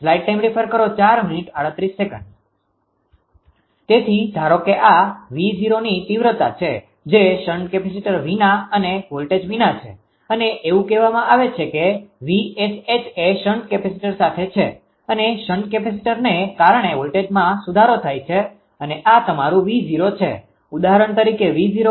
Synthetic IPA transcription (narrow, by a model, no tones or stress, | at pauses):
flaiʈ̚ʈajmɾipʰəɾkəɾot͡ʃaɾminiʈaɽət̪ɾisːekə̰̃ɳɖ | t̪et̪ʰidaɾokeʔaʋid͡ʒiɾonit̪iʋɾət̪a̰t͡ʃʰe | d͡ʒeʃəɳɖkɛpesiʈəɾʋinaəneʋolʈed͡ʒʋinat͡ʃʰḛ | əneʔeʋũkɛʋamãʔaʋet͡ʃʰekeʋiet͡ʃʰet͡ʃʰeʃəɳɖ̚kɛpesiʈəɾsat̪ʰet͡ʃʰe | əneʃəɳɖ̚kɛpes̬iʈəɾnekaɾɳeʋolʈed͡ʒmãsud̪ʱaɾot̪ʰajt͡ʃʰe | əneʔat̪əmaɾũʋid͡ʒiɾot͡ʃʰḛ | ud̪aɦəɾəɳt̪əɾikeʋid͡ʒiɾo